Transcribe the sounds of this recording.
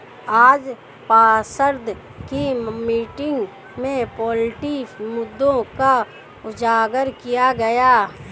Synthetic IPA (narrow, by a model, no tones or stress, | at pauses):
aːd͡ʒ | paːsəɾd̪ʱ | kimiːʈɪ̃ŋɡ | mẽpɔːlʈimʊd̪ːõka | ʊd͡ʒaːɡəɾkijaɡɐjaː